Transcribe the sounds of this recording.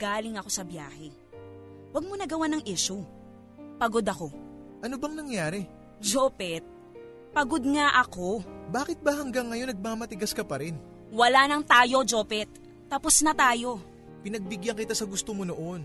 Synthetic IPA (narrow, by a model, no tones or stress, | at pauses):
ɡ̥aːlɪŋɐko̞sɐbja̰ːhɛ | wɐɡ̚monɐɡɐwanɐŋʔɛʃu | pɐɡod̪ɐko̞ʔɐnobɐŋnɐŋjaːɾɛ | d͡ʒopɛt̪̚ | pɐɡo̞d̪̚ŋaʔɐko̞baːkɪt̪̚bɐhɐŋɡɐŋːɐjo̞nɐɡ̚maːmɐt̪ɪɡɐskɐpɐɾɛn | wɐlanɐŋt̪aːjo̞d͡ʒo̞ːpɛt̪̚ː | ɐposnɐt̪aːjo̞ | pɪnɐɡ̚bɪɡjɐŋkɪt̪asɐɡʊst̪omonoʔo̞n